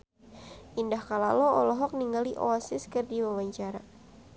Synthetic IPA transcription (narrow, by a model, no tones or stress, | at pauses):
ʔindahkalalɔɔlɔɦɔk̚niŋɡaliʔɔ̰asɪskɨrdiwawaɲt͡ʃaɾa